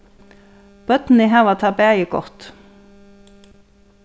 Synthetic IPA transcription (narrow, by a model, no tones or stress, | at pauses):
b̥œt̪n̩iːɦæːʋɑt̪ʰɑbeːjəɡɔ̰ʁt̪